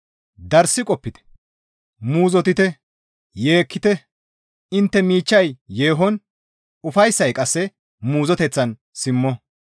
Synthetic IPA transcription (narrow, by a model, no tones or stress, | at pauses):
d̪ɐɾsɪkʼɔpːɪt̪ɛ̥ | muːzɔt̪ɪt̪ɛ | je̞ːkːɪt̪ɛ | ɪnt̪ːɛmiːt͡ʃːɐjjeːɦɔn | ʊfɐjsːɐjkʼɐsːɛ | muːzɔt̪ɛt͡sːɐn | sɪmːɔ